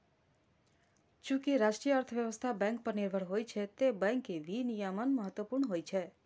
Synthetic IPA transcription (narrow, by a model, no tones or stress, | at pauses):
d͡ʒũkiɾaʃʈɾijəəɾt̪ʰəʋjəʋəst̪ʰabɛ̃ŋk̚pəɾniɾbʱəɽɦojt͡ʃʰet̪ebɛ̃ŋkeʋinijamənməɦət̪ʋəpuɾɳəɦojt͡ʃʰe